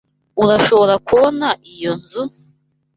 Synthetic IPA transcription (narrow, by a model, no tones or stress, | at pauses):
uɾaʃo̞βo̞ɾakuβo̞naʔijo̞nzu